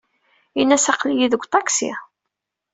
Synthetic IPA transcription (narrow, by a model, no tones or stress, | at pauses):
inːæsɑqlijiðəɡʷːt̪ˤɑksḭ